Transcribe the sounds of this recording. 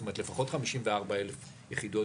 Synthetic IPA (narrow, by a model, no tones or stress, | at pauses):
tomatle̞faχo̞tχamiʃimveaʁbaelef | jeχido